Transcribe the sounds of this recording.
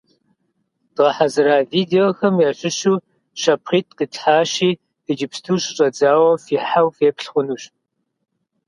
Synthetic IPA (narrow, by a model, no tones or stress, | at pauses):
d̥ʁɐħazɨɾaːviːdeoxɐmjaɕʷʼɪɕuː | ʃɐpʰχiːt̚ʰʼqiːtħaːɕiː | ɨd͡ʒɪpstʰuːɕɪɕʼɐd͡zaːwɐfiːħawfeːpɬχʷʊnuːɕ